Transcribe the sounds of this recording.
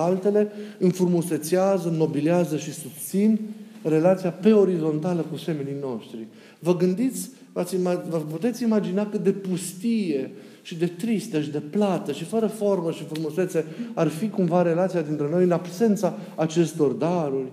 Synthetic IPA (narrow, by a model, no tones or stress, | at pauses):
alt̪e̞le̞ɨnfuɾmuse̞t̪siazəno̞biliazəʃisust̪sinre̞lat̪sijape̞o̞ɾizo̞nt̪aləkuse̞menijno̞ʃt̪ɾi | vəɡɨnd̪it̪sʲ | vat̪sʲimavəput̪e̞t̪sʲimad͡ʒinakɨt̪̚d̪e̞pust̪ije̞ | ʃid̪e̞t̪ɾist̪əʃid̪e̞plat̪əʃifəɾəfo̞rməʃifɾumuse̞t̪se̞arfikumvaɾe̞lat̪siad̪int̪ɾe̞no̞jɨnabse̞nt̪saː | t͡ʃe̞st̪o̞rd̪aɾurʲ